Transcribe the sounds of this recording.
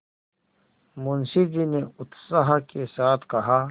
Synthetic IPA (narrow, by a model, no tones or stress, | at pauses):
mʊnsid͡ʒineʊt̪saɦakesaːt̪ʰkɐɦa